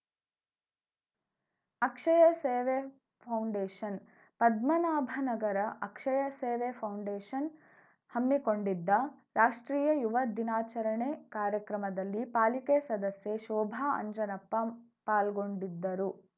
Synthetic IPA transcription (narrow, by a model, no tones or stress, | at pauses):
ɐkʂɐjɐseːʋe | pʰɐwɳɖeːʃɐn | pɐd̪mɐnaːbʱɐnɐɡɐɾɐʔɐkʂɐjɐseːʋepʰɐwɳɖeːʃɐn | hɐmːiko̞ɳɖid̪ːɐɾaːʂʈɾiːjɐjuʋɐd̪inaːt͡ʃɐɾɐɳekaːɾjɐkɾɐmɐd̪ɐlːipaːlikesɐd̪ɐsjeʃɔːbʱaːɐ̰ɲd͡ʒɐnɐpːɐ | paːlɡo̞ɳɖid̪ːɐɾu